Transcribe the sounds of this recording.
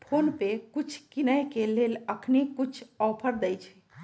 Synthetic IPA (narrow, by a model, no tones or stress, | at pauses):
pʰonpekut͡ʃʰkinəjkeleləkʰnikut͡ʃʰɔpʰəɾd̪ɛjt͡ʃʰɛ